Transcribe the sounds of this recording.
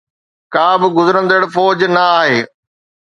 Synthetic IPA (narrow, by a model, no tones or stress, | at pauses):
kãːbɪɡʊzəɾə̃nd̪əɽfɔːd͡ʑnɐaːɦeː